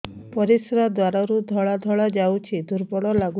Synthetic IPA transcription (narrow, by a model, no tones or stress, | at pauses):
pɔɾisɾad̪waɾaɾud̪ʱɔɭad̪ʱɔɭad͡ʒawt͡ʃʰid̪uɾbɔɽɔlaɡu